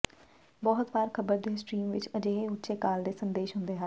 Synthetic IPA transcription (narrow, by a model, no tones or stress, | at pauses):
bɔːɦʊt̪ʋaːɾkʰəbəɾd̪eːsʈɾiːmʋɪt͡ʃɐd͡ʒeːɦeʊt͡ʃekaːld̪eːsə̃nd̪eːʃɦʊ̃nd̪eːɦaː